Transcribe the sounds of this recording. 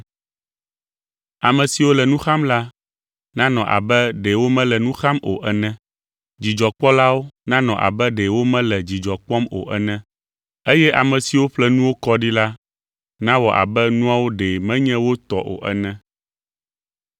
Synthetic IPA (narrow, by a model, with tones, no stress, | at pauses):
a˨mɛ̃˨si˨wo˦lɛ˨nũ˦xa˦mla˦ | nã˦nɔ̃˨ʔa̰˨bɛ˦ɖe˨wo˦mɛ̃˦lɛ˨nũ˦xa˦mo̰˨ʔɛ˨nɛ̃˦ | d͡ʑi˨d͡ʒɔ˨k͡pɔ˦la˦wo˦nã˦nɔ̃˨ʔa̰˨bɛ˦ɖe˨wo˦mɛ̃˦lɛ˨d͡ʑi˨d͡ʒɔ˨k͡pɔ˦mo̰˨ʔɛ˨nɛ̃˦ | e˦jɛ˦ʔa˨mɛ̃˨si˨wo˦ɸlɛ˦nũ˦wo˦kɔ˦ɖi˦la˦ | nã˦wɔ˨ʔa̰˨bɛ˦nũ˦a˦wo˦ɖe˨mɛ̃˦ɲɛ̃˦wo˦t̪ɔ˦ʔo̰˨ʔɛ̰˨nɛ̃˦